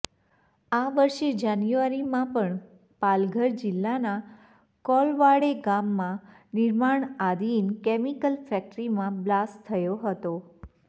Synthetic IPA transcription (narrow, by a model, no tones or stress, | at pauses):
aʋəɾʃed͡ʒanjuaɾimãpəɳ | palɡʱəɾd͡ʒɪlːana | kɔlʋaɽeɡamːã | nɪɾmaɳad̪inkɛmikəlfɛk̚ʈɾimãblast̪ʰːəjoɦət̪o